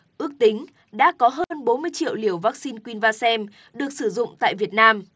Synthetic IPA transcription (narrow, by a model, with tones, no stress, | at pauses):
ʔɨ˦˥ək̚t̪ï˨˦ŋ̟ | ɗa̰ː˧˥kɔ˨˦ɦəː˧nɓo˨˦nmɨ˧əjt͡ɕḭ˧˨əwli˧˩əwvaː˦˥k̚si˧nkwi˧nvaː˧sɛ˧m | ɗɨ˨˩ək̚sɨ˧˩zʊ̰˧˨ŋ͡mt̪a̰ː˧˨jvi˨˩ət̚naː˧m